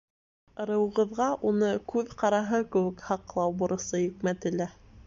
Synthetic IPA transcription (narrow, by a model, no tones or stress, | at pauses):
ɤ̆ɾɤ̆wɤ̆ʁɤ̆ðʁɑʔunɤkʉðqɑɾɑɦɤkɘ̆wɘ̆khɑqlˠɑwbŏɾɤ̆sɤjɵ̆kmæt̪ɘ̆læ